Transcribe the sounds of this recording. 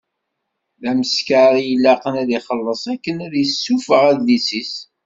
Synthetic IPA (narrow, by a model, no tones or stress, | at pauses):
ðæməskaɾjəlːæqənæðiχəlːəsˤækːənæðjəsːufəʁæðːisis